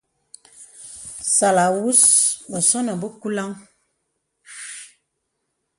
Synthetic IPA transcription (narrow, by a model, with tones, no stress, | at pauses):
sa˨la˨wu˦sbə˨sɔ˦nə˨bə˦ku˦la˦ŋ